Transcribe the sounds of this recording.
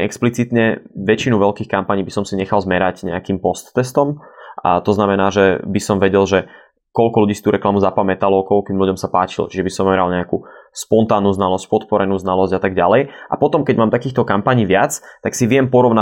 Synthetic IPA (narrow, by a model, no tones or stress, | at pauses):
ɛksplit͡sit̪ɲɛʋɛt͡ʃinuʋɛʎkiːxkampaɲiːbisɔmsiɲɛxalzmɛɾaɟɲɛ̰akiːmpɔst̪ːɛst̪ɔmt̪ɔznamɛnaːʒɛbisɔmʋɛɟɛlʒɛ | kɔlkɔluɟiːst̪uːɾɛklamuzapamɛt̪alɔkɔk̪iːmluɟɔmsapaːt͡ʃḭlt͡ʃiʒɛbisɔmɛɾalɲɛakuspɔnt̪aːnːuːznalɔsc̚pɔt̪pɔɾɛnuːznalɔzɟat̪aɡɟalɛjʔa̰pɔt̪ɔmkɛɟmaːmt̪akiːxt̪ɔkampaɲiːʋɪat͡st̪aksiʋɪɛmpɔɾɔʋna